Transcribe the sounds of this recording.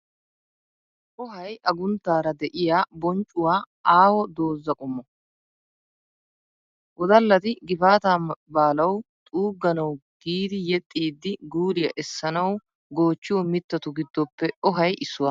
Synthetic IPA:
ʔɔɦɐjɐɡʊnt̪ːaːɾɐd̪ɛʔɪjaːbɔnt͡ʃʼːʊwaː | aːwɔd̪o̞ːzːɐkʼʊmːɔ | ʔɔd̪ɐlːɐt̪ɪɡɪfaːt̪aːbaːlɐwt̪ʼuːɡːɐnɐwɡ̥iːd̪ɪjɛt̪ʼːiːd̪ːɪɡuːɾɪjɐʔɛsːɐnɐw | ɡo̞ːt͡ʃːɪwɔmɪt̪ːɐt̪ʊɡɪd̪ːɔpːɛʔɔɦɐjʔɪsːʊwɐ

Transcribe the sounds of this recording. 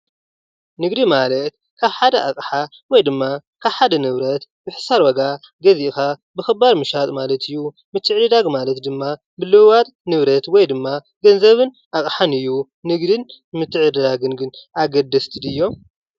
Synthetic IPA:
nɨɡd̪imalɐt̪ | kʰaβħad̪ɐʔakʼħa | wɔjd̪ɨmːakʰaβħad̪ɐnɨβɾɐt̪bɨħɨ̥saɾwɐɡa | ɡɐziʔkabɨxɨbːaɾmɨʃat̪ʼmalɐt̪ʰɨjːu | mɨt̪ʰːɨʕd̪ɨd̪aɡmalɐt̪d̪ɨmːa | bɨlɨwat̪ʼnɨβɾɐt̪wɔjd̪ɨmːa | ɡɐnzɐβɨn | ʔakʼħanɨjːu | nɨɡd̪ɨn | mɨt̪ʰːɨʕɨd̪ɨd̪aɡɨnɡɨnaɡɐd̪ɐst̪ʰid̪ɨjːo̞m

